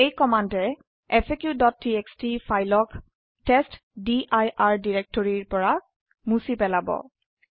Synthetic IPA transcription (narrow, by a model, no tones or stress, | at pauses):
ejkɔmandɛ | ɛpʰekjudɔtːiekstifʰajlɔk | tɛst | diʔajʔaɹdiɹek̚tɔɹiɹpɔɹa | musipɛlabɔ̰